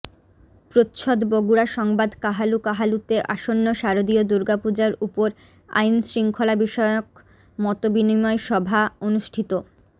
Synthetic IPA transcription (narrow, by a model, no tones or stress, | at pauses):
pɾot̪ʃʰod̪boɡuɾaʃɔŋbad̪kaɦalukaɦalut̪eʔaʃonːoʃaɾod̪iod̪uɾɡapud͡ʑaɾupoɾ | a̰jnsɾiŋkʰolabiʃɔeok̚ | mɔt̪obinimɔeʃɔbʱaonuʃʈʰit̪o